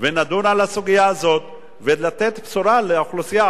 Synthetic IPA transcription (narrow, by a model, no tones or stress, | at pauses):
venad̪unalasuɡijaːzo̞t̪̚ | velat̪e̞t̪psuɾaleaχlusija